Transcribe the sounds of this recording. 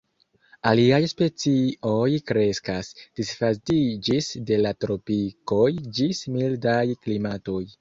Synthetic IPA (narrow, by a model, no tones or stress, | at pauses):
aliajspe̞t͡sio̞jkɾe̞skasd̥isfatid͡ʒisde̞latɾo̞piko̞jd͡ʒismildajklimato̞j